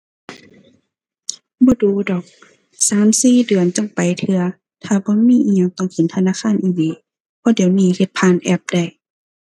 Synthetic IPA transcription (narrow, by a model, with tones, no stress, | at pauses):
bɔː˧˦duː˨˧˦dɔː˨˩k̚ | saː˨˦msiː˧˨dɯ˨˩ənt͡ɕɔ˧˩˨ŋpa˨jt̪ʰɯ˧ɐ | t̪ʰaː˧˩bɔː˧˦nmiː˧˨ʔi˧˨ɲa˧˨ŋt̪ɔ˧˩˨ŋkʰi˨˦nt̪ʰa˧naː˧˥˨xʰaː˧˥˨nʔiː˧˩deː˨˦ | pʰɔː˧˨diː˨˩˦wniː˧˩he˧t̪̚pʰaː˧˨nʔɛ˧˩p̚da˧˩j